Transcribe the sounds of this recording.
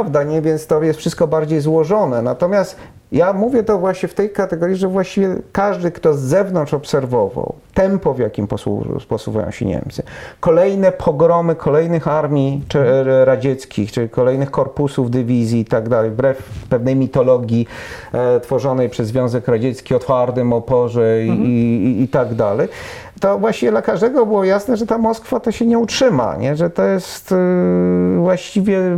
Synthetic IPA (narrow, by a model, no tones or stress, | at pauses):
vd̪aɲɛvʲjɛnst̪ɔjɛst̪fʂɘst̪kɔbaɾd͡ʑejzwɔʐɔnɛnat̪ɔmʲjast̪ | jamuvʲjɛt̪ɔvwaɕɲɛft̪ɛjkat̪ɛɡɔɾʲjiʐɛvwaɕt͡ɕivʲjɛkaʐd̪ɘkt̪ɔzːɛvnɔnt͡ʂɔpsɛɾvɔva̰wt̪ɛmpɔvʲjakʲimpɔsṵpɔsṵvṵjɔ̰̃w̃ɕɛ̰ɲɛ̰mt̪sɘkɔlɛjnɛpʰɔɡɾɔmɘkʰɔlɛjnɘxaɾmʲiɛɾad͡ʑɛt̪skʲixt͡ʂɘikɔlɛjnɘxkɔɾpusuvd̪ɘvʲizʲjiːt̪aɡd̪alɛjbɾɛfpɛvnɛjmʲit̪ɔlɔɡʲji | t̪fɔʐɔnɛjpʂɛzvʲjɔ̃w̃zɛkɾad͡ʑɛt̪skʲiɔt̪faɾt̪ɘmɔpɔʐɛiː | t̪aɡd̪alɛj | t̪ɔvwaɕt͡ɕivʲɛd̪lakaʐd̪ɛɡɔbɘwɔjasnɛʐɛt̪amɔskfat̪ɔɕɛɲɛutʂɘma̰ɲɛʐɛt̪ɔjɛst̪ | vwaɕt͡ɕivʲjɛ